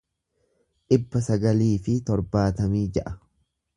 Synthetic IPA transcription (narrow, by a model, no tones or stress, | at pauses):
ᶑɪbːɐsɐɡɐliːfɪt̪ɔɾbaːt̪ɐmiːd͡ʒɛʔɐ̥